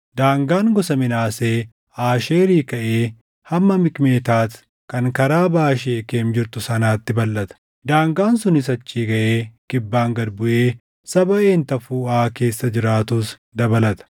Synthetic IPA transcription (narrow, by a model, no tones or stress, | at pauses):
d̪aːŋɡaːŋɡɔsɐmɪnaːse̞ː | aːʃeːɾiːkɐʔeː | hɐmːɐmɪkʼme̞ːt̪aːt̪ | kɐŋkɐɾaːbaːʃ̬eːkeːmd͡ʒɪɾt̪ʊsɐnaːt̪ːɪbɐlːɐt̪ɐ̥ | d̪aːŋɡaːnsʊnɪs̬ɐt͡ʃːiːɡɐʔeːkɪbːaːŋɡɐd̪bʊʔeː | sɐbɐʔeːnt̪ɐfuːaːke̞ːsːɐd͡ʒɪɾaːt̪uːs | d̪ɐbɐlɐt̪ɐ̥